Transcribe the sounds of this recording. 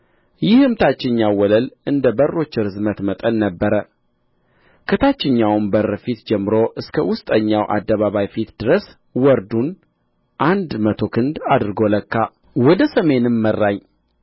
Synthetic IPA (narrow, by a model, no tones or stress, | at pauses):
jɪhɨmt̪ʰat͡ʃːɪɲːawwɔləlɨnd̪əbərːo̞t͡ʃːɪɾɨzmət̪mət̪ʼənːəbːəɾə | kʰət̪ʰat͡ʃːɪɲːawnbərːfit̪d͡ʒɛmːɨɾo̞ʔɨskʰəwʊst̪ʼəɲːawʔa̰d̪ːəβaβajfit̪d̪̥ɨɾəs | wɔɾd̪un | ʔand̪mət̪ʰo̞kʰɨnd̪ad̪ɾɨɡo̞ləkʰːa | wɔd̪əsəme̞nɨmːərːaɲ